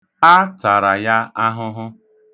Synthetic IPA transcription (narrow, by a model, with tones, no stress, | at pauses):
a˦ta˨ɾa˨ja˦a˦ɦʊ˦ɦʊ˦